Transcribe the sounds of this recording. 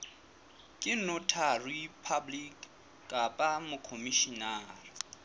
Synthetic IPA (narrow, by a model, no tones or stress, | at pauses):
kʼɪnʊtʰaripʰablikʼ | kʼapʼamʊkʰomiʃinaːri